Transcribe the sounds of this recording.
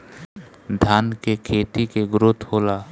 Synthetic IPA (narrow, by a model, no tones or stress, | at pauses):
d̪ʱaːnkekʰeːt̪ikeɡɾʊt̪hoːlaː